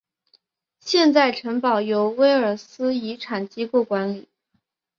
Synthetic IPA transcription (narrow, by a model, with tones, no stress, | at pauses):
ɕjɛ˥˧nt͡sa˥˩ɪʈ͡ʂʰɤ˧˥ŋpɑ˨˩ʊjo˧˥ʊwe˥ɪə˞˨˩sɹ̩˥i˧˥ʈ͡ʂʰa˨˩nt͡ɕi˥ko˥˩kwa˧˥nli˨˩˦